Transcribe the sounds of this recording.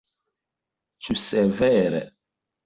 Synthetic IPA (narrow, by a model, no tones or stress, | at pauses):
t͡ʃusɛvɛɾɛ̰